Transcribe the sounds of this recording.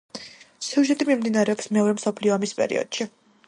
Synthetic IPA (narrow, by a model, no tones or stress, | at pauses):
siuʒɛt̪ʼimimd̪inaɾɛɔpsmɛɔɾɛmsɔpʰliɔamispʼɛ̰ɾḭɔ̰d̪̥ʃi